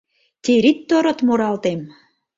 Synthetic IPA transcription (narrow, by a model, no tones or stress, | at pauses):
t̪ʲeɾit̪ːoɾŏt̪moɾɑlt̪em